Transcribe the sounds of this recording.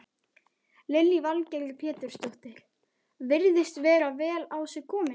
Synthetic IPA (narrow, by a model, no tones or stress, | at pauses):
lɪlːivalcɛllpʰɛːt̪ʏɾ̥st̪owht̪ɪɾ̥ | vɪɾðɪst̪vɛːɾavɛːlaːwsɪkʰɔːmɪ